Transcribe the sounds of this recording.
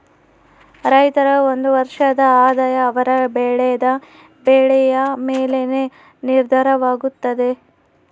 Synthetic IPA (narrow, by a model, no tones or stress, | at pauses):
ɾɐjt̪ɐɾɐond̪uʋɐɾʂɐd̪ɐaːd̪aːjɐːʋɐɾɐbɛɭɛjɐd̪ɐ | beːɭɛjɐmeːlene | niɾd̪ʱɐɾɐʋaːɡut̪ːɐd̪e̞